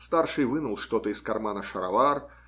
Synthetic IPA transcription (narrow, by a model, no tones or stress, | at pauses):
st̪arʂɨjvɨnəlˠʂt̪o̞t̪əɪskɐrmanəʂɐɾɐvar